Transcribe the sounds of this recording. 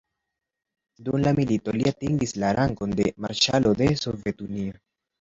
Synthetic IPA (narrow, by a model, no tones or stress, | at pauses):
dumlamilito̞liatiŋɡislaɾaŋɡo̞nde̞maɾʃalo̞de̞so̞ve̞tunio